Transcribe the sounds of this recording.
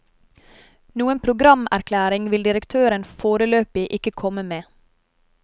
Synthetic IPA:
nuːənpʰɾʊɡɾɑmæɾkʰlæːɾɪŋʋɪld̪ɪɾəkt̪ʰøːɾənfoːɾəløːpɪʔɪkəkʰɔməmeː

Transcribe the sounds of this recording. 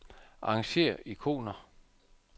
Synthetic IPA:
ɑ̈ŋɕe̝̰ːɐʔikʰo̝̰ːnɐ

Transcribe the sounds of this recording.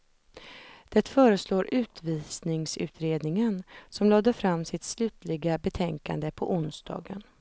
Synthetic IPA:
d̪̥ɛt̪fœːɾəsloːɾʔʉ̟ːt̪viːsnɪŋsʉ̟̰ːt̪ʰɾeːd̪nɪŋənsɔmloːd̪əfɾamːsɪt̪slʉ̟ːt̪lɪɡabɛt̪ʰɛŋka̰nd̪əpʰɔʔʊnsd̪̥ɑ̰ːɡən

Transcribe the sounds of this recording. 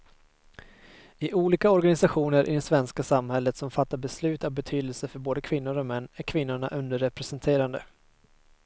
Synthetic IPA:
ɪʔuːliːkaɔɾɡanɪsaɧuːnəɾʔɪ̰d̪ɛsvɛnskasamhɛlːət̪sɔmfat̪ːaɾbɛslʉ̟ːt̪avbɛt̪ʰyːd̪əlsəfœɾboːd̪əkʰvɪnːʊɾɔmɛnːæɾkʰvɪnːʊɳaʔɵnd̪əɾɛpɾɛsɛnt̪ʰeːɾand̪ə̰

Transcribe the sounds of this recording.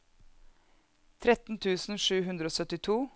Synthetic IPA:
t̪ʰɾɛt̪n̩t̪ʰʉːsn̩ʃʉːɦʉnd̪ɾəoːsœt̪ɪt̪ʰuː

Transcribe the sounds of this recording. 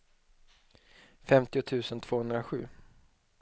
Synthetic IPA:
fɛmt̪ɪʊt̪ʰʉ̟ːsənt̪ʰv̥oːhɵnd̪ɾaɧʉ̟ː

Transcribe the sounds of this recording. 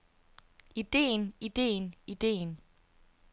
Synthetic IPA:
id̥e̝̰ːnid̥e̝̰ːnid̥e̝̰ːn

